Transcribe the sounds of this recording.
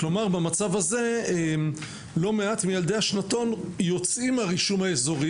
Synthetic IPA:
klo̞maʁbemat͡savaze̞em | lo̞meatmijald̪e̞jhaʃnato̞njo̞t͡simaʁiʃumhaezo̞ʁi

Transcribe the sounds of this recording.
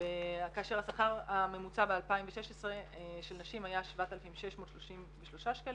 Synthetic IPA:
eakaaʃeʁasaχaʁame̞mut͡sabealpaimveʃeʃesʁeʃelnaʃimajaʃvat̪alfimʃeʃmoːtʃloʃimveʃlo̞ʃaʃkal

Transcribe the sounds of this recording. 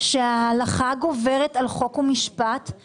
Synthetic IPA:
ʃealaχaɡove̞ʁetalχo̞kumiʃpat

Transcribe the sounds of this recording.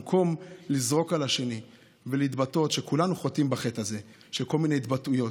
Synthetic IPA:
kʰo̞mlizʁo̞kalaʃe̞ni | velit̪bato̞t̪ʃekulanuχot̪imbaχe̞taze̞ | ʃeko̞lminejt̪batujo̞

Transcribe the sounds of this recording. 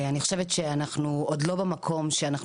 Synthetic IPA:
aniχo̥ʃevet̪ʃeanaχnuod̪lobemakʰo̞mʃeanaχ

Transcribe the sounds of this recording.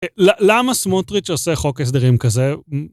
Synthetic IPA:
lalamasmotʁit͡ʃoseχo̞kes̬d̪eʁimkaze

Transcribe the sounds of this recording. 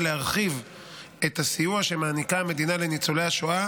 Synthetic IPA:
leaʁχiv | e̞t̪asijuaʃe̞maːnikame̞d̪inale̞nit͡solejaʃoa

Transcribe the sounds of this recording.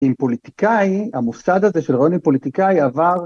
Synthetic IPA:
impo̞lit̪ikajiamusad̪hazeʃelʁajo̞nimpo̞lit̪ikajavaʁ

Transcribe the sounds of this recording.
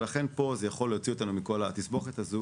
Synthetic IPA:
laχe̞npo̞zejaχo̞lːeot͡sio̞t̪anumiko̞lat̪isbo̞χet̪azu

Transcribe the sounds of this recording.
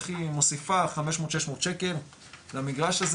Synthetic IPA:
χimosifaχameʃmot̪ʃeʃmot̪ʃeke̞l | vamiɡʁaʃaz

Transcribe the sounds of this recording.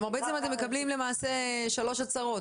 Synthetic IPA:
maʁbeet͡semat̪emːe̞kablimle̞maːse̞ʃalo̞ʃasaʁo̞t

